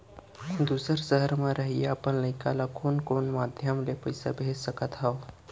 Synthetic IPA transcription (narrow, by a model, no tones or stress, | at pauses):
kund̪usəɾsəɦəɾmaɾaɦiapənləjkalakʰoːnkoɳmad̪ʱjəmlepəjsa̰bʱesəkat̪ɦaw